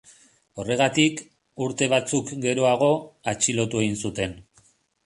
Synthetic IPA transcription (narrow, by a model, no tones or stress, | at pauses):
o̞re̞ɣat̪ik | uɾt̪e̞β̞at͡sukɡe̞ɾo̞aɣ̞o̞at͡ʃilo̞t̪ue̞ɣinsut̪e̞n